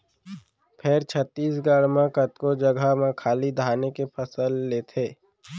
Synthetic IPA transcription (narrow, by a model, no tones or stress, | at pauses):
pʰeɾt͡ʃʰət̪ːiːsɡaːɽmãkət̪kod͡ʒəɡʱamãkʰaːlid̪ʱaːnekepʰəsəlːeːt̪ʰeː